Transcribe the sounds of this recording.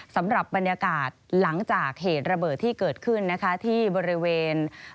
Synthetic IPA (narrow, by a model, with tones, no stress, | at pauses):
sa˩˦mɾa˨˩p̚ba˧njaː˧kaː˨˩t̪̚la˩˦ŋt͡ɕaː˨˩k̚ɦeː˨˩t̪̚ɾa˧bɤː˨˩t̪ʰːiː˥˩kɤː˨˩t̪̚kʰɯ˥˩nːa˦˥kʰa˦˥t̪ʰiː˥˩bɔː˧ɾi˦˥weː˧n